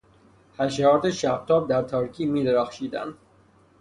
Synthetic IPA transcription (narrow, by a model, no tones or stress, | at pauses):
hæʃɒːɾt̪eʃæb̚t̪ʰɒːb̚d̪æɾt̪ʰɒːɾkʰiːmiːd̪eɾæxʃiːd̪æ̰nd̪̥